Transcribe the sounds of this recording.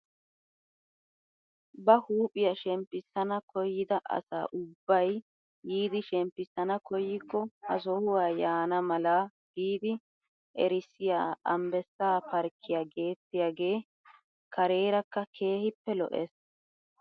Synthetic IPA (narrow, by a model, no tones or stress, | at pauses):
bɐhuːpʼɪjɐʃɛmpːɪsːɐnɐkʰɔjːɪd̪ɐʔɐ̰sa̰ːʔʊbːɐjː | iːd̪ɪʃɛmpːɪsːɐnɐkɔjːɪkːɔhɐ̰s̬ɔhʊwaːjaːnɐmɐlɐ | ɡ̥iːd̪ɪ | ʔɛ̰ɾɪsɪjaːɐmbɛsːaːpɐɾkʰːɪjaːɡe̞ːt̪ːɪjaːɡe̞ː | kʰɐɾe̞ːɾɐkːɐkʰe̞ːhɪpːɛlɔ̰ʔɛ̰s